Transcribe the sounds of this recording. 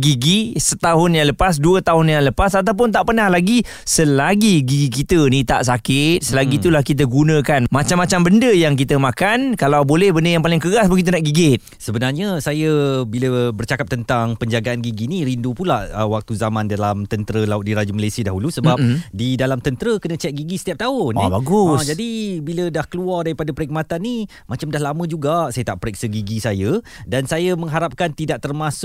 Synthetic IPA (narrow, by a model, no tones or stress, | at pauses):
ɡiɡisət̪aɦʊnjaŋləpas̬duət̪aɦʊnjaŋləpasat̪̬awp̬ʊnt̪aʔpənahlaɡi | səlaɡiɡiɡikit̪ənĩt̪a̰ʔsakɪt̪̚səlaɡit̪ulahkit̪̬əɡunə̃kanmat͡ʃamːat͡ʃambəndəjaŋk̬it̪əmakankalawbolɛhbəndəjaŋpalɪŋkəɡasbəɡit̪unaʔɡiɡɪt̪̚səbənarɲasajabiləbərt͡ʃakap̚t̪ənt̪aŋpəɲd͡ʒaɡaʔanɡiɡiniɾindupulahəwak̚t̪uzamandalamt̪ənt̪əɾəlaʊt̪̚diɾad͡ʒəmalajsiadaɦulusəbap̚didalamt̪ənt̪əɾəkənə̃t͡ʃɛt̪̚ɡiɡisə̥t̪iap̚t̪aʊhnibaɡusd͡ʒadibilədahkəluardaɾipadapəɾik̚mat̪anːi | mat͡ʃamdahlamə̃d͡ʒuɡasajət̪aʔpəɾɛk̚səɡiɡisajadansajamə̃ŋɦaɾap̚kant̪idaʔ̚t̪ərmasʊ